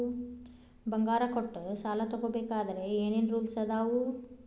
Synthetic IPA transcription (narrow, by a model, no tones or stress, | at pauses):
bɐŋɡaːɾɐkoʈːsaːlɐt̪ɐɡoːbeːkaːd̪ɐɾeeːneːnɾuːlsɐd̪aːʋu